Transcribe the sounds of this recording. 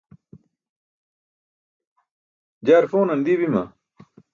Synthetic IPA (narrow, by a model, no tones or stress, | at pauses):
d͡ʑaːɾfoːnɐnd̪ibimɐ̰